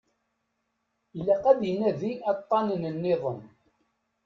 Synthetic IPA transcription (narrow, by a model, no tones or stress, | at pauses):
lːæqæd̪ijnæðiɑt̪ˤːɑnənənːɪðˤən